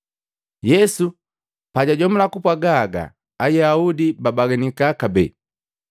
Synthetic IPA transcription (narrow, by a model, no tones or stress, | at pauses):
jɛsu | paɟaɟɔmulakupwaɡaɡa̰ː | jaaudibabaɡɛnikakabɛ̰ː